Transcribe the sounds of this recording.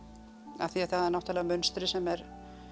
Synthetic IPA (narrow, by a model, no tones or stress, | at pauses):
a̰θiaθaðɛɾnɔht̪alðamʏnst̪ɾɪsɛmɛɾ